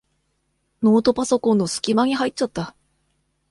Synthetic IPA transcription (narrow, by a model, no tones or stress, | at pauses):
no̞ːt̪o̞paso̞kõnːosɨ̥kʲimaɲ̟iɦait͡ɕt͡ɕat̪ːa